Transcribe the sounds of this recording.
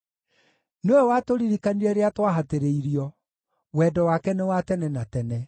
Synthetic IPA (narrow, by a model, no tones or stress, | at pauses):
newɛwatoɾiɾikaniɾɛɾeatwaɦateɾeiɾiɔ | wɛdɔwakɛnewatɛnɛnatɛnɛ